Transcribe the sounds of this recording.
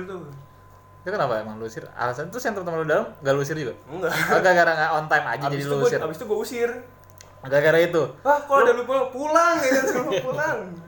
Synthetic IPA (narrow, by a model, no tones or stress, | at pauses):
t̪u | it̪ukənapaemaŋluusɪra̰lasanat̪ɾʊsjaŋt̪ərt̪əamaludalamŋɡaluus̬ɪrd͡ʒuɡaŋɡaaɡaɡaɾaŋaɔnt̪ajma̰d͡ʒad͡ʒadiluusɪrabist̪uɡuausɪr | ɡaɡaɾait̪uahkaloadalupulaŋpulaŋaapulaŋ